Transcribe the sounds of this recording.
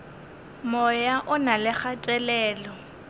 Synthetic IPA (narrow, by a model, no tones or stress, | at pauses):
mɔjaʔʊnalɪχatʼɛlɛːlɔ